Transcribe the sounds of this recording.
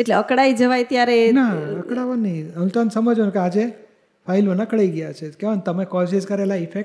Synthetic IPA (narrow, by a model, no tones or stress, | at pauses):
eʈleəkɽaid͡ʒəʋajt̪jaɾenaəkɽaʋaniəʋĩt̪ɔnsəməd͡ʒʋnukead͡ʒe | fʰailʋənakəɽaiɡəjat͡ʃʰekeʋənt̪əmekɔsid͡ʒkəɾelaifek̚ʈ